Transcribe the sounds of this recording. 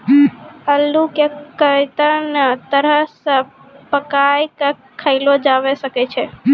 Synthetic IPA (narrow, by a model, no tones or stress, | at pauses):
əlːukekət̪ənət̪əɾəsə | pəkajkə | kʰəɪlod͡ʒaʋesəket͡ʃʰe